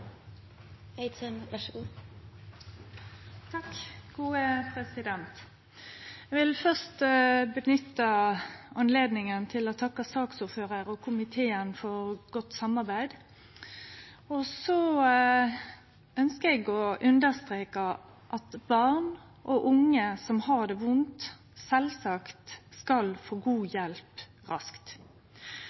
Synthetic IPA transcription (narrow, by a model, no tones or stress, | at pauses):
eɪt̪ʰənʋæʃu | t̪ʰɑkːɡ̥uːəpʰʁɛsɪd̪ɛnt̪ | ɛʋɪlfœʁst̪bənʏt̪ːəɑnleːd̪nɪŋənt̪ʰɪlɔt̪ʰɑkːəsɑːksʊːføːʁəɾɔkʰʊmɪt̪ʰeːənfɔʁɡ̥ɔt̪sɑmɑʁbæɪd̪ | ɔsɔ | œnskəɛɡɔʔʉnd̪əʁst̪ʁeːkɑ | ʔɑt̪bɑʁn | ʔɔʔʊŋːəsɔmhɑʁd̪ɛʋʊnt̪ | sɛlsɑkt̪skɑlfoːɡuːjɛlp | ʁɑ̰skt̪